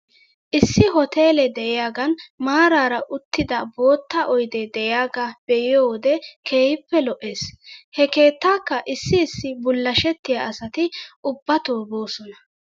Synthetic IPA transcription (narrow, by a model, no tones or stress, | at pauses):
ʔɪsːɪɦɔt̪e̞ːlɛd̪ɛʔɪjaːɡɐnmaːɾaːɾɐʔʊt̪ːɪd̪ɐbo̞ːt̪ːɐʔɔjd̪ɛd̪ɛʔɪjaːɡab̥ɛjɪjoːwɔd̪ɛkʰeːjɪpːɛlɔʔeːshɛke̞ːt̪ːaːkːɐʔɪsːɪːsːɪbʊlːɐʃɛt̪ːɪjaɐsɐt̪ɪʊbːɐt̪oːbo̞ːsɔnɐ